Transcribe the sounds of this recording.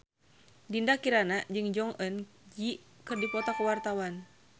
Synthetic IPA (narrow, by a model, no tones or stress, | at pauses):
dindakiɾanad͡ʒɨŋd͡ʒɔŋʔənd͡ʒikɨrdipɔt̪akəwart̪awan